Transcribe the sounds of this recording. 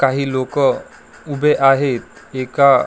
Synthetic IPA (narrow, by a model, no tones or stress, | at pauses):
kaɦilokə | ubʱeʔaɦet̪̚eka